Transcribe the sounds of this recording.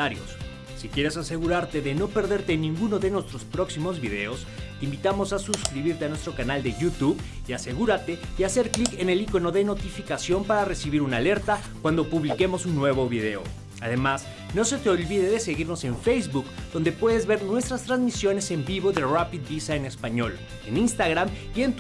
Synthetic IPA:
aɾjo̰sː | ikje̞ɾe̞sase̞ɣuɾaɾt̪e̞ðeno̞pe̞ɾðe̞ɾt̪enĩŋɡuno̞ðe̞nwe̞st̪ɾo̞spɾo̞ksimo̞zβiðe̞o̞s | t̪eimbit̪amo̞sasuskɾiβiɾt̪e̞anwest̪ɾo̞kanald̪e̞ʝut̪uβiase̞ɣuɾat̪e̞iase̞ɾklike̞ne̞liko̞noðe̞no̞t̪ifikasjo̞mpaɾare̞siβiɾunale̞ɾt̪a | kwand̪o̞puβlike̞mo̞sunːwe̞βoβiðe̞o̞̰ | aðe̞mas | no̞se̞t̪e̞o̞lβiðe̞ðe̞se̞ɣiɾno̞se̞ɱfejzβukd̪o̞nd̪e̞pwe̞ðe̞zβe̞ɾnwe̞st̪ɾast̪ɾazmisjo̞ne̞se̞mbiβo̞ðerapid̪bisaene̞spaɲo̞l | eninst̪aɣɾamie̞nt̪

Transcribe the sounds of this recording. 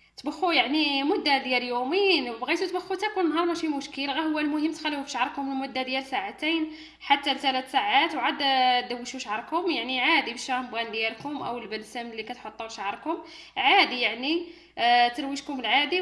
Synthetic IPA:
t̪bəxːujaʕnimʊd̪ːad̪jæljuminbɣit̪ut̪bəxːut̪ækunnːɦɑɾˤmæʃimʊʃkəlɣæhʊwːælmʊhəmːt̪xælːfufiʃʕɾˤkʊmlmʊd̪ːad̪jælsaʕat̪ijn | ħat̪ːælt̪ælæt̪saʕat̪wʕad̪t̪d̪əwːəʃuʃʕəɾˤkʊmjaʕniʕad̪ibʃæmbɣænd̪jælkʊmʔəwəlbənsæməlːikæt̪ħot̪ˤːuʃʕɾˤkʊm | ʕad̪ijaʕni | t̪əɾwəʃkʊməlʕad̪i

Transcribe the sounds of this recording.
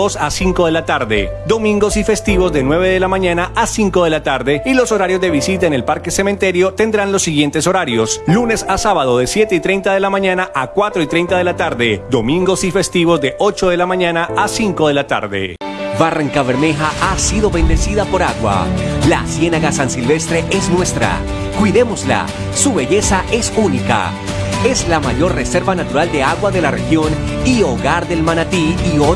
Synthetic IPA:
osasiŋko̞ðe̞lat̪aɾðe̞̰d̪o̞mĩŋɡo̞sife̞st̪iβo̞zd̪ðe̞nwe̞β̞eðe̞lamãɲanaʔasiŋko̞ðe̞lat̪aɾðe̞ilo̞so̞ɾaɾjo̞zd̪e̞β̞isit̪aene̞lpaɾke̞se̞mẽnt̪e̞ɾjo̞t̪e̞nd̪ɾanlo̞sːiɣje̞nt̪e̞so̞ɾaɾjo̞slune̞sasaβaðo̞ðesje̞t̪e̞it̪ɾejnt̪aðe̞lamãɲanaʔakwat̪ɾo̞it̪ɾejnt̪aðe̞lat̪aɾðe̞d̪o̞mĩŋɡo̞sife̞st̪iβo̞zd̪e̞ʔo̞t͡ʃo̞ð̞e̞lamãɲanaasiŋkoðelat̪a̰ɾðḛbaraŋkaβe̞ɾme̞xaʔasiðo̞βe̞nd̪e̞siðapo̞ɾaɣwa̰lasje̞naɣasansilβe̞st̪ɾe̞ʔe̞snwe̞st̪ɾa̰ | kwiðe̞mo̞zla̰ | suβe̞ʝe̞saʔe̞sunika̰ | e̞zlamaʝo̞ɾre̞se̞ɾβanat̪uɾald̪e̞aɣwaðe̞larexjo̞n | io̞ɣaɾðe̞lmanat̪iːo

